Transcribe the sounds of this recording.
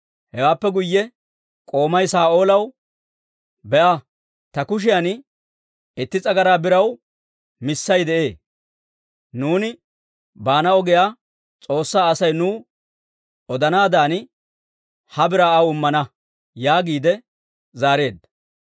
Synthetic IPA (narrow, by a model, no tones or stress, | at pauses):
hɛwaːpːɛɡʊjːɛ | kʼo̞ːmɐjsaːʔo̞ːlɐw | bɛʔɐ | t̪ɐkʊʃ̬ɪjan | ɪt̪ːɪt͡sʼɐɡɐɾaːbɪɾɐw | mɪsːɐjd̪ɛʔe̞ː | nuːnɪ | baːnɐɔɡɛjaː | t͡sʼo̞ːsːaːɐsɐjnuː | ɔd̪ɐnaːd̪aːn | hɐbɪɾaːʔɐwʊmːɐnɐ | jaːɡiːd̪ɛ | zaːɾe̞ːd̪ɐ